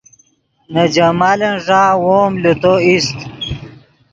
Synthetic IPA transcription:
nəd͡ʑɐmalenʐaːwoːmlut̪oist̪

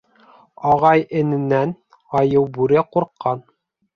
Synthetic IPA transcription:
ɑʁɑjɘ̆nɘ̆næn | ɑjɤwbʉɾɘquɾqːɑn

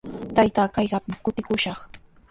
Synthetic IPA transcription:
t̪ajt̪aːkajɢɑpɪkʊt̪ɪkʊʃɑχ

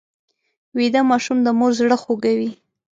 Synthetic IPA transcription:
wid̪amɑʃumd̪əmoɾzɽəxoɡawi

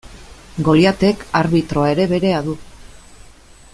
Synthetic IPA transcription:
ɡo̞ljat̪e̞kaɾβit̪ɾo̞ae̞ɾe̞βe̞ɾe̞aðu

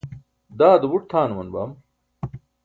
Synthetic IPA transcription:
d̪aːd̪ubuʈ̚t̪ʰaːnmɐnba̰ːm

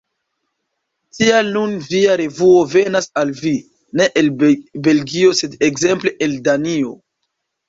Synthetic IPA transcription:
tialnunviaɾe̞vuo̞ve̞nasalvi | ne̞ʔelbe̞lɡio̞se̞dekze̞mple̞ʔeldanio̞

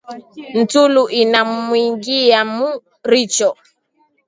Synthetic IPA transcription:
n̩tuluʔinammwiŋɡiamu | ɾit͡ʃɔ

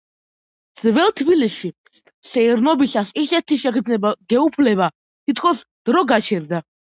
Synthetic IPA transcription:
d̪z̥vɛlˠt̪ʰbiliʃi | sɛiɾnɔbisasisɛt̪ʰiʃɛkʰd̪znɛbaɡ̥ɛupʰlɛba | t̪ʰit̪̚ʰkʰɔsd̪̥ɾɔɡat͡ʃʰɛɾd̪a

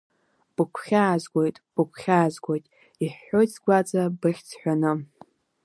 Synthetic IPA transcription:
b̥ɨkʷʰχʲaːzɡʷʼojtʼb̥ɨkʷʰχʲaːzɡʷojtʼ | iħːo̞jʰzɡʷat͡sʼabɨχʲt͡sʰħʷᶣanɨ

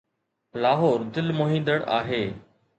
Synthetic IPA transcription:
laːɦoːɾd̪ɪlmoːɦĩːnd̪əɽa̰ːɦeː

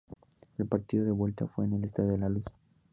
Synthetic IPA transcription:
elpaɾt̪iðoðe̞βwe̞lt̪afwe̞ːnelest̪aðoðelalusḁ

